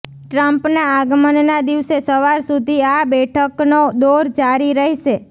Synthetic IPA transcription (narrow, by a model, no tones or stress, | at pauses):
ʈɾəmpnaaɡmənnad̪iʋsesəʋaɾsud̪ʱiabɛʈʰəknod̪oɾd͡ʒaɾiɾəɦiʃe